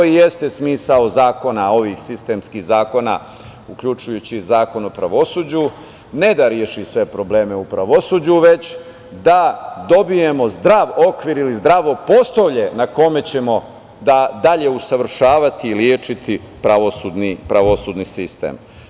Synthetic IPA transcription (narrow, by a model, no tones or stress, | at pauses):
ije̞st̪e̞smiːsaozaːko̞nao̞ʋixsist̪emskiɣzaːko̞na̰ | ukʎut͡ʃujut͡ɕizaːko̞nopɾa̰ʋo̞suːd͡ʑu | ne̞d̪aɾjeʃisʋe̞pɾo̞ble̞ːme̞upɾaʋosuːd͡ʑuʋe̞t͡ɕ | d̪ad̪o̞bije̞mo̞zd̪ɾaʋokʋiɾilizd̪ɾaʋo̞po̞st̪oʋʎe̞nako̞me̞t͡ɕe̞mo̞ | d̪ad̪aʎe̞usaʋr̩ʃaːʋat̪iːljeːt͡ʃit̪ʰi | pɾaʋosuːd̪nipɾaʋo̞suːd̪nisist̪ḛm